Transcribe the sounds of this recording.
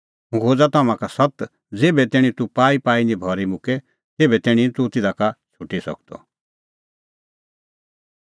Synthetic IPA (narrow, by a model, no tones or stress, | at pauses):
ɦũkʰoːd͡zat̪aːmãkasɐt̪ | d͡zeːbɛt̪eːɽ̃ĩt̪upaːipaːinĩbʱɔːɾimʊ̃ke | t̪eːbɛt̪ɛːɽ̃ĩt̪ut̪ɪd̪akat͡ʃʰʊʈisɐ̰kd̪ɔ̰